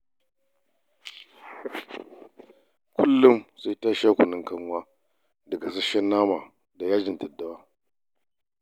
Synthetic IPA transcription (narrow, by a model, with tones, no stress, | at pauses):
kʷʊ˦lːʊ˦msa˦jtaː˦ʃa˦kʷʊ˨nɪ˦ŋkɐ˦ŋ˦waː˦ | dɐ˨ɡa˨s̬ɐ˦ʃɐ˦nːaː˦ma˨ | da˨jaː˦d͡ʒɪ˨ntɐ˨dːa˦waː˦